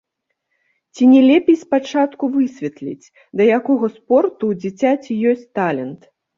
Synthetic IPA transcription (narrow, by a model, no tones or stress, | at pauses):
t͡sʲinʲɛlʲɛpʲejspat͡ʂat̪kuvɨsʲvʲɛt̪lʲḭt͡sʲ | d̪ɐjakɔɣɐspɔrt̪ud͡zʲit͡sʲat͡sʲijɔsʲt͡sʲt̪alʲɛnt̪